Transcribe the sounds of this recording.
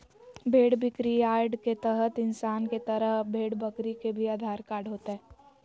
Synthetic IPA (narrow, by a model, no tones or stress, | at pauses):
bʱeːɽbɪkɾiaːɾɖket̪əɦət̪ɪnsaːnket̪əɾəɦbʱeːɽbɐkɾikebʱiaːd̪ʱaːɾkaːɾɖɦoːt̪eɦɛː